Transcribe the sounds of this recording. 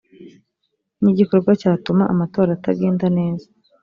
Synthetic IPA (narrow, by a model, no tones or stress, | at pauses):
niɟiko̞ɾɡwacaːtumaʔamato̞ːɾaːtaɡe̞ːndane̞ːzḁ